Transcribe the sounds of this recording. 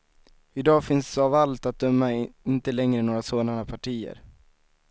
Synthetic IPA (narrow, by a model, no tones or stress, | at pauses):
ɪd̪ɑːfɪnsavalt̪at̪̚d̪œmːaɪnt̪əlɛŋɾənoːɾasoːd̪anapʰaʈʰiːə̰ɾ